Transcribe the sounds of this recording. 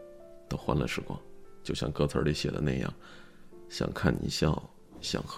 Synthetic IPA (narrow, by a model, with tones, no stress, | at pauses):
t̪o˥ʊxwa˧˥nlə̰˨˧ʂɻ̩˧˥kwɑ̰˥˩ŋt͡ɕjo˥˧ʊɕjɑ̰˥˧ŋkɤ˥˩t͡sʰə˧˥li˧˥˩ɕjɛ˨˩d̪ə̰˦na˥˧ɪjɑ̰˥˩ŋ | ɕjɑ̰˨˩ŋkʰa˥˩nnḭ˨˩ɕjɑ˥˩ŋ | ɕjɑ̰˨˩ŋx